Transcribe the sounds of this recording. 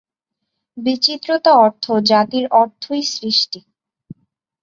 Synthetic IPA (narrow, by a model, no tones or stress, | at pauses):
bit͡ɕit̪ːɾot̪aɔɾt̪ʰod͡ʑat̪iɾɔɾt̪ʰːojsɾiʃʈi